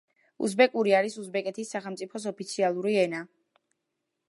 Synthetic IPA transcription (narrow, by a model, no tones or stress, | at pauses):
ṵsbɛkʼuɾiaɾisuzbɛkʼɛt̪ʰisːaχɛlmt̪sʼipʰɔs̬ɔpit̪sʰialˠuɾiɛna